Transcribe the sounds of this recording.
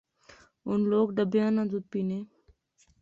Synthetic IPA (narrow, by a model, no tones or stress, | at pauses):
ʊnloːɡɖəbjãːnãːd͡ʒud̪̚piːnẽː